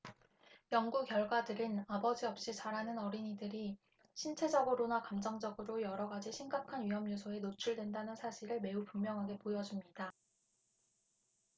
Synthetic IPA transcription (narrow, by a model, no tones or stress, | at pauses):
jʌŋɡukjʌɭɡwadɯɾɯnabʌd͡ʑiʌp̚ɕ͈it͡ɕaɾɦanɯnʌɾiɲidɯɾi | ɕʰint͡ɕʰe̞d͡ʑʌɡɯɾonakamd͡ʑʌŋd͡ʑʌɡɯɾojʌɾʌɡad͡ʑiɕʰimɡakʰanɥiɦʌmjos̬ʰoe̞not͡ɕʰuɭdwe̞ndanɯnsʰaɕʰiɾɯɭme̞upuŋmjʌŋɦaɡe̞pojʌd͡ʑumɲida